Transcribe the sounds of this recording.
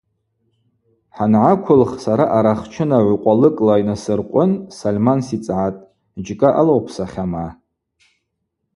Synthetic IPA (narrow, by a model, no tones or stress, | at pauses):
ħanʕakʷʰʊlχsaɾaʔaɾaχt͡ʃʰɨnaʕʷqʷʼalɨkʼlajnasɨrqʷʼʊnsalmansit͡sʼʕatʼ | d͡ʒkʼaʔalowpʰsaχʲama